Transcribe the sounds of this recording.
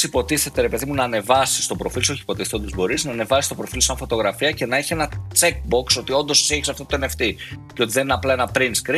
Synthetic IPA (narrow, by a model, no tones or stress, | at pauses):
sipo̞t̪iθe̞t̪e̞ɾe̞pe̞ðimunɐːne̞vɐsi̥st̪o̞pɾo̞filso̞çipo̞t̪iθθond̪ezbo̞ɾiznɐːne̞vɐsist̪o̞pɾo̞filosɐɱfot̪o̞ɣɾɐfiɐce̞nɐiçie̞nɐt͡ʃe̞k̚bo̞kso̞t̪io̞nd̪o̞ssieçisɐft̪ot̪oene̞ft̪iceot̪iðe̞nineɐplɐe̞nɐpɾinskɾi